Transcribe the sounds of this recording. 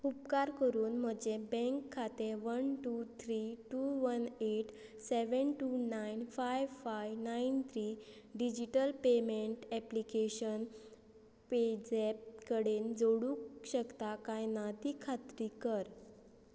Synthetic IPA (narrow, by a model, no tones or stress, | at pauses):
upkaɾkəɾuːnm̤əd͡ʑebɛ̃ŋkʰːat̪eɾʋənʈut̪ʰɾiːʈuʋəneʈ | seʋənʈunajnfajʋfajʋnaint̪ʰɾiː | ɖid͡ʑiʈəlpemeɳʈɛplikeɕən | ped͡zep̚kəɽend͡zoɽukɕəkt̪akajnad̪iːkʰat̪ɾiːkəɾ